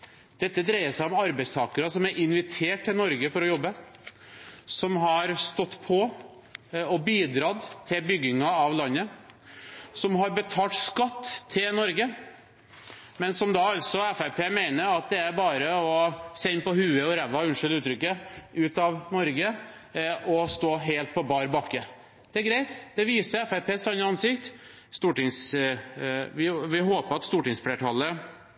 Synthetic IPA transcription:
d̪̥ɛt̪ːəd̪ɾæɪəsæɪɔmɑɾbæɪst̪ʰɑːkəɾɑsɔmæɾʔɪnʋɪt̪ʰeːʈ̚t̪ʰːɪlnɔɾɡəfɔɾɔjɔbːə | sɔmɦɑɾst̪ɔt̪ːpʰɔ | ɔbiːd̪ɾɑd̪t̪ʰɪlbʏɡːɪŋɑɑʋlɑnːə | sɔmɦɑɾbət̪ʰɑːt̪skɑt̪ːʰɪlnɔɾɡə | mɛnsɔmd̪ɑɑlsɔɛfæpʰeːmæɪnəɾɑt̪̚d̪ɛæɾbɑːɾəɔsɛɪnːpɔhʉːəɔɾɛʋːɑʉnʂʏlʉːt̪ʰɾʏkːəʉːt̪ɑʋnɔɾɡə | ɔst̪oːɦeɪlt̪̚pʰɔbɑːɾbɑkːə | d̪̥ɛæɾɡɾæɪt̪d̪ɛʋiːsəɾɛfæpeːsɑnːəɑnsɪkt̪ | st̪uːʈɪŋs | ʋɪʋɪɦoːpəɾɑt̪st̪uːʈɪŋsfleːʈʰɑlːə

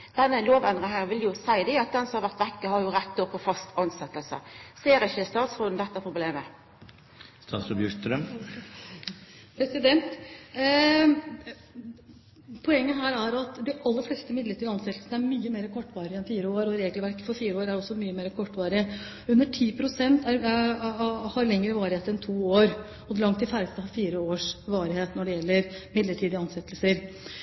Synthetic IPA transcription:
d̪̥ɛnːəloːʋɛnd̪ʁɪŋhæːnʋɪljʊsæɪd̪ɪɑt̪̚d̪ɛnsɔmɑɾʋæʁt̪ʋɛkːəhɑɾjʊɾɛt̪ːɔpʰːɔfɑst̪ʰɑnsɛt̪ːəlsə̰seːɾɛçəst̪ɑːt̪sɾʊd̪n̩d̪ɛt̪ːəæɾpʰɾʊbleːmə | st̪ɑ̰ːt̪sɔbjʉkɾœm | pʰɾɛsɪd̪ɛnt̪ | pʰɔɛŋːəɦæːɾæɾɑt̪d̪ɪʔɑlːəɾflɛːst̪əmɪd̪ləʈʰiːd̪əɑnsɛt̪lsən̩æɾmyːəmeːɾəkʰɔʈːʋɑːɾɪəɛnfiːɾəoːɾɔɾeːɡlʋæɾkə̥fɔɾfiːɾəoːɾæɾɔsːɔmyːəmeːɾəkʰɔʈːʋɑːɾɪ | ʉnːəʈʰiːpʰɾʊsɛnt̪æɾ | hɑɾlɛŋːəɾəʋɑːɾɪheːt̪ɛnt̪ʰuːoːɾ | ɔd̪lɑŋt̪ɪfæɾəst̪əhɑfiːɾəoːʂʋɑːɾɪheːt̪nɔɖɛjɛlːəɾmɪd̪ləʈʰiːd̪əɑnsɛt̪ːlsəɾ

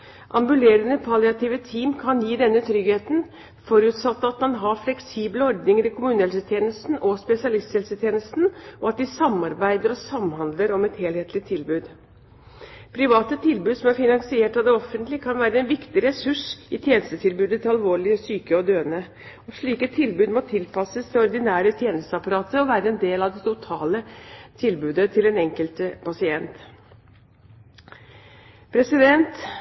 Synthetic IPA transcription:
ʔɑ̰mbʉleːɾənəpʰɑlɪɑt̪iːʋət̪ʰiːmkʰɑnjiːd̪ɛnːət̪ʰɾʏɡheːt̪n̩ | fɔɾʉːt̪sɑt̪ːəɑt̪mɑnɦɑflɛksiːbləɔɾd̪nɪŋəɾɪkʰʊmʉːnɛlsət̪ʰjeːnəst̪n̩ʔɔspɛsɪɑlɪst̪shɛlsət̪ʰjeːnəst̪n̩ʔɔɑt̪̚d̪ɪsɑmːɑɾbæɪd̪əɾɔsɑmhɑnd̪ləɾɔmɛt̪heːlheːt̪lɪt̪ʰɪlbʉːd̪ | pʰɾɪʋɑːt̪ət̪ʰɪlbʉːd̪sɔmæɾfɪnɑŋsɪeːʈɑd̪ɛɔfːənt̪lɪkʰɑnʋæːɾəɛnʋɪkt̪ɪɾɛsʉʂɪt̪ʰjeːnəst̪ət̪ʰɪlbʉːd̪ət̪ʰɪɑlʋoːɭɪəsyːkəɔd̪øːnə | ɔʂɭiːkət̪ʰɪlbʉːd̪mɔt̪ʰɪlpɑsəst̪ɪɔɾd̪ɪnæːɾət̪ʰjeːnəst̪əɑpɑɾɑːt̪əɔʋæːɾəɛnd̪eːlɑd̪ɛt̪ʊt̪ʰɑːlət̪ʰɪlbʉːd̪ət̪ʰɪlɛnɛŋkəlt̪pɑsɪɛnt̪ | pʰɾɛsɪd̪ɛnt̪

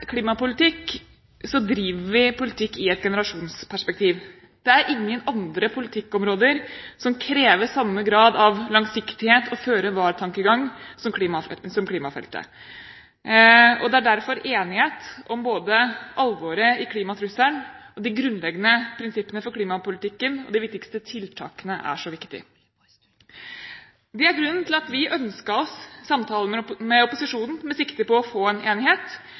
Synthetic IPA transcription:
kʰliːmɑpʊlɪt̪ɪk | sɔd̪ɾiːʋəɾʋɪpʊlɪt̪ʰɪkːɪɛt̪ɡɛnəɾɑʂuːnspʰæʂpɛk̚t̪ʰiːʋ | d̪̥ɛæɾʔɪŋːənɑnd̪ɾəpʰʊlɪt̪ʰɪkːɔmɾoːd̪əɾsɔmkʰɾeːʋəɾsɑmːəɡɾɑːd̪ɑʋlɑŋsɪkt̪ɪheːt̪ʰɔføːɾəʋɑːɾʈ̪ʰɑŋkəɡɑŋsɔmkiːmɑsɔmkʰliːmɑfɛ̰lt̪ə̰ | ɔd̪ɛæɖæɾfɔɾeːnɪheːt̪ɔmboːd̪əʔɑlʋoːɾəɪkʰliːmɑt̪ʰɾʉsæɳɔd̪ɪɡɾʉnːlɛɡːənəpʰɾɪnsɪpːənəfɔɾkʰliːmɑpʊlɪt̪ɪkːənɔ̰d̪ɪʋɪk̚t̪ɪkst̪ət̪ʰɪlt̪ʰɑ̰ːkənəʔæ̰ʂɔʋɪkt̪ɪ̰ | d̪ɛæɾɡɾʉnːnt̪ʰɪlɑt̪ʋɪʔœnskəɾɔsːɑmt̪ʰɑːləmmɛɔpʊsɪʂuːnn̩mɛsɪkt̪əpɔɔfoːɛneːnɪheːt̪

